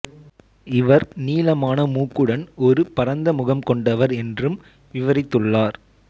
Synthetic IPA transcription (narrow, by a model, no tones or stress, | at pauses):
ɪʋɐɾniːlɐmaːnɐmuːkːɯɽɐnɔɾɯpɐɾɐnd̪ɐmʊɣɐmkɔɳɖɐʋɐɾɛndrɯm | ʋɪʋɐɾɪt̪ːɯɭːaːɾ